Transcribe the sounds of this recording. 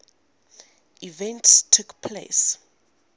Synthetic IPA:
ivɛ̃ntstʰukpʰlḛs

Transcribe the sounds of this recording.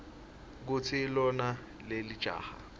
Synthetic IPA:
k̬ʊt͡sʰɪlɔna | lelɪ̥t͡ʃʼa̰ːha̰

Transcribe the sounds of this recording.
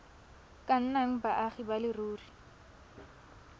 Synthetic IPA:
kʼan̩naŋ̩baʔaχibalɪruːri

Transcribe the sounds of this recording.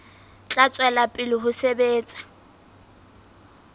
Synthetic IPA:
t͡ɬʼat͡sʼwɛlapʼɪlɪɦʊsebeːt͡sʼḁ

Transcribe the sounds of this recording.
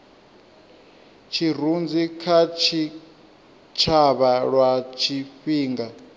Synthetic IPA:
t͡ʃʰiɾ̤und͡zikʰat͡ʃʰi | t͡ʃʰaβaɺwat͡ʃʰiɸiːŋɡa

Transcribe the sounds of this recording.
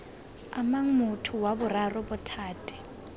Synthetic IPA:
amaŋ̩mutʰʊwabʊrarɔbʊtʰaːtʼi̥

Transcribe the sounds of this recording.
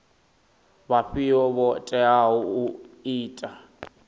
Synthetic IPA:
baɸiɔβɔtʼɛaɔuiːtʼa

